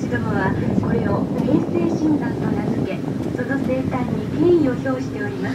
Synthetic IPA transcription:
t͡ɕid̪oɦoβako̞ɾe̞o̞hẽ̞ːse̞ːɕĩnd̪ãnt̪o̞nazɨke̞ | so̞no̞se̞t̪ãɲ̟ːikẽ̞ɰ̃io̞ço̞ːɕi̥t̪e̞o̞ɾʲimas

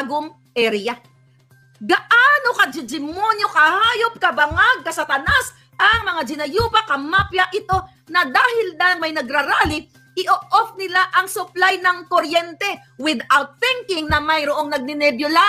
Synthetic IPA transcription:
ɡʊŋ | ʔɛɾja | ɡɐʔaːnokɐd͡ʒɪd͡ʒɪmonjo̞kɐhaːjop̚kɐbɐŋaɡ̚kɐsat̪ɐnas | ʔɐŋmɐŋad͡ʒɪnɐjuːpɐkɐmapjaʔɪt̪o̞ | nɐd̪aːhɪld̪aɐŋmɐjnɐɡ̚ɾɐɾaːlɪ | ʔɪʔoʔofnɪlaʔɐŋsʊplajnɐŋkoɾjɛnt̪ɛ | wɪd̪awt̪̚θɪŋkɪŋnɐmɐjɾoʔo̞ŋnɐɡ̚nɪnɛbjola

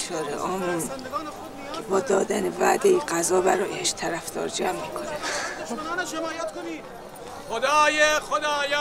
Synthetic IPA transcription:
ʃʰɒːɾḛʔɒːmun | kʰebɒːd̪ɒːd̪ænevæ̰d̪ejiɡæzɒːbæɾɒjeheʃt̪ʰæɾæfd̪ɒ̰ːɾd͡ʒæmːiːkʰonæm | jt̪koni | xod̪ɑːjexod̪ɒːj

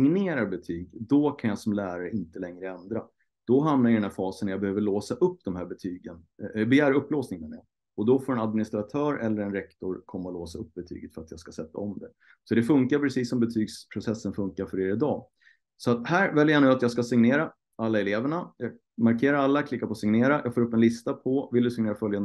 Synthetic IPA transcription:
ɪŋneːɾaɾbɛt̪ʰyːɡd̪ɔkʰanjɑsɔmlæːɾaɾəɪnt̪əlɛŋɾəɛnd̪ɾa | d̪̥ɔɦamnaɾjʏdɛnhæɾfɑːsənːjɑːbɛhøːvəɭoːsaʔɵpːd̪ɔmhɦæːɾbɛt̪ʰyːɡənbɛjæːɾɵpːloːsnɪŋənɛ̰ | ɔd̪ɔfoːɾɛnad̪̚mɪnɪst̪ɾat̪ʰœːɾɛlːəɾɛnɾɛkt̪ɔɾkʰɔmːaloːsaɵp̚ːbɛt̪ʰy̰ːɡət̪fœɾat̪jɑːɡskasɛt̪ːa̰ɔmd̪ɛ | sɔd̪ɛfɵŋkaɾpʰɾɛsiːsːɔmbɛt̪ʰyːɡspʰɾʊsɛsːənfɵŋkaɾfœɾeːɾɪd̪ɑː | sɔat̪hæːɾvɛljəjanʉ̟ːat̪jɑːɡskasɪŋneːɾa | alːaɛleːvəɳajɑː | maɾkʰeːɾaɾalːakʰlɪkːaɾpʰɔsɪŋneːɾajʔɑːɡfoːɾɵpːɛnlɪst̪apʰɔvɪld̪ɵsɪŋneːɾafœljand̪

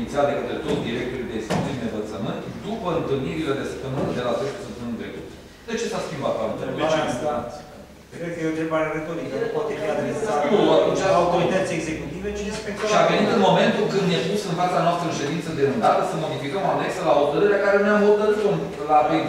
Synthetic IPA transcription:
it̪siad̪ekət̪ɾet̪ot̪d̪iɾe̞k̚t̪oɾid̪eskit̪imd̪eɱvət̪səmɨnt̪d̪upəɨnt̪ɨlniɾile̞d̪e̞sə̥p̚t̪əmɨnəd̪e̞latest̪əsunt̪emɨnd̪ɾe̞kut̪ | d̪e̞t͡ʃe̞saskʲimbat̪paut̪ea | kɾed̪̚kəjeont̪ɾebaɾeɾet̪oɾikaɾepat̪efiad̪eeuauawt̪oɾit̪ət̪sieɡze̞kut̪ivet͡ʃispek̪ʃiavenit̪ɨnmo̞me̞nt̪ukɨnd̪jepusɨnfat̪sanoast̪ɾəɨnʃe̞d̪int̪səd̪eɨnd̪at̪əsəmo̞d̪ifikəmane̞ksəlaɦo̞t̪əɾɨɾeakaɾe̞neamɦot̪əɾɨt̪om | lapej

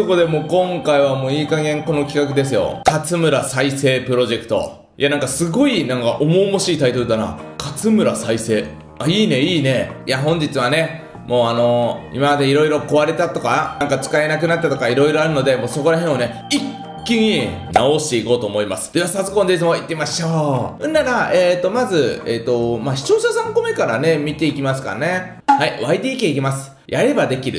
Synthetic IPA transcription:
oko̞d̪e̞mo̞ːkõ̞ŋkaiβ̞amo̞ːiːkaɡẽ̞ŋko̞no̞kʲi̥kakɯ̟d̪e̞s̬ɨjo̞̰kat͡sɨmɯ̟ɾasaise̞ːpɯ̟ɾo̞ʑe̞kɯ̟̥t̪o̞̰ | jʔanãŋkasɨɡo̞inãŋkaʔomo̞ːmoɕiːt̪ait̪o̞ɾɯ̟d̪ana̰kat͡sɨmɯ̟ɾasaise̞ː | aiːne̞iːne̞jaɦõ̞ɲ̟d͡ʑit͡sɨβ̞ane̞ | mo̞ːano̞ḭmamad̪e̞iɾo̞iɾo̞ko̞βaɾe̞t̪at̪o̞kaãŋkat͡sɨ̥kae̞nakɯnat̪ːat̪o̞kaiɾo̞iɾo̞aɾɯ̟no̞d̪e̞mo̞ːso̞ko̞ɾaɦẽɰ̃one̞ | ik | kʲːiɲ̟i | naoɕi̥t̪e̞iko̞ːt̪o̞ːmo̞imasɨ̥d̪eβasazɨkond̪esɨmo̞it̪ːeimaɕo̞ːɯ̟̃nːaɾaeːt̪ːo̞mazɨeːt̪ːo̞maɕi̥t͡ɕo̞ːsasãŋko̞me̞kaɾane̞mʲit̪e̞ikʲimasɨ̥ka̰ne̞ | haiβaid̪iːkʲeikʲimasɨ̥ | jʔaɾe̞bad̪e̞kʲiɾɯ̟

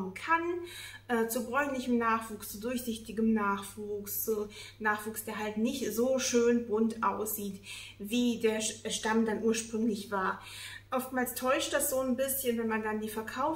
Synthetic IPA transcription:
mənkʰanʔɛːt͡subʁɔʏnlɪçəm̩naːχv̥uːkst͡sudʊɐçz̥ɪçtɪɡəm̩naːχv̥uːkst͡sunaːχv̥uːksd̥eːɐɦaltnɪçtz̥oːʃøːnbʁʊntʔaʊsz̥iːtviːdeːɐʃtamdanʔuːɐʃpʁ̥ʏŋlɪçv̥aːɐ | ʔɔftmaːlstʰɔʏʃtd̥asz̥oːnbɪsçənvɛnmandandiːfɛɐkʰaʊ

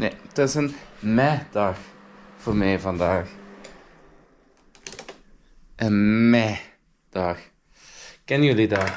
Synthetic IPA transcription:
netɪsənmɛd̥ɑxfoːrmɛːvɑndaːx | ʔənmɛ | d̥ɑx | kɛnjəlida

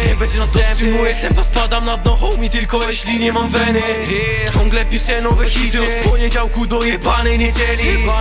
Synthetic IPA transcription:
ɲɛbɛd͡ʑɛnɔt̪mujɛt̪ɛmpɔfpad̪amnad̪nɔxɔwmʲit̪ɪlkɔjɛɕlʲiɲɛmamvɛnɛ | k̪ɔ̃ŋɡlɛpʲisɛnɔ̃wvɛxit̪fpɔɲɛd͡ʑawkud̪ɔjɛpanɛjɲɛd͡ʑɛlʲi

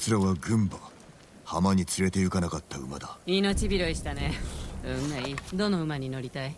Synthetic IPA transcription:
t͡sɨɾaβaɡɯ̟̃mba | hamaɲ̟it͡sɨɾe̞t̪ejɯ̟kanakat̪ːaɯ̟mad̪aino̞t͡ɕibʲiɾo̞iɕi̥t̪ane̞ɯ̟̃maid̪o̞no̞ɯ̟maɲ̟ino̞ɾʲit̪ai

